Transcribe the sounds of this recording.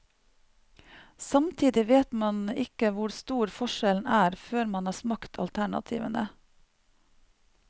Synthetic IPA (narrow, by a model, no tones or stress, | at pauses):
sɑmt̪ʰiːd̪ɪʋeːt̪mɑnɪkəʋʊɾst̪uːɾfɔʃɛln̩æːɾføːɾmɑnhɑːsmɑkt̪ʰɑ̰lt̪ʰæɳɑ̰t̪ʰḭːʋənə